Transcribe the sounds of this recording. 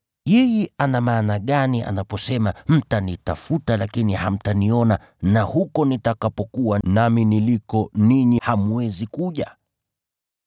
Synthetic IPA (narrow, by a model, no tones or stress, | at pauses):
jɛjɛʔanamaːnaɠaniʔa̰napɔsɛmam̩tanita̰futalakiniha̰m̩taniɔna | nahukɔnitakapɔkuwanaminilikɔniɲihamuwɛzikuʄa